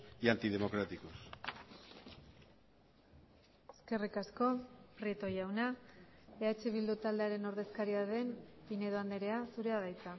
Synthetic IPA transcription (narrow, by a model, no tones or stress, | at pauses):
iant̪ið̞e̞mo̞kɾat̪ikos | eske̞rikasko̞pɾiet̪o̞jawna | eat͡ʃe̞β̞ild̪ut̪ald̪e̞aɾe̞no̞ɾðe̞skaɾiaðe̞mpine̞ðoand̪eɾe̞asuɾe̞aðajt͡sa